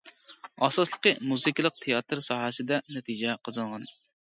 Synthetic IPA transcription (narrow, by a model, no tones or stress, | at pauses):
ɑsɑslˠə̥qəmuzɨkʲlˠəq̚t̪ʰejɑt̪ɾsɑːɦəsɨd̪ɛnɛt̪ʰid͡ʒɛqʰəzɨnʁɑn